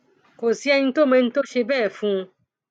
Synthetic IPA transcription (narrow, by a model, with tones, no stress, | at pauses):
ko˨si˨˦ɛ˧ɲĩ˦t̪o˦mɛ̃˧ñ̩˦t̪o˦ʃe˧bɛ˦˨fũ˦˧